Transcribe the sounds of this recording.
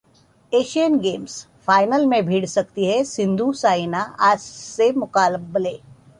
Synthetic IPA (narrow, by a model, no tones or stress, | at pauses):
eːʃijənɡeːms | faːɪnəlmẽbʱiːɽsɐkt̪iɦɛsɪ̃nd̪ʱusaːinaʔaːd͡ʒsemʊkaːlbleː